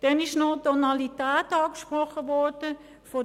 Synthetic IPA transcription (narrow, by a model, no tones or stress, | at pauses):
d̥ɛnɪʃnotɔnalitæːtɑːkʃprɔχəʋɔɹd̥ə | fo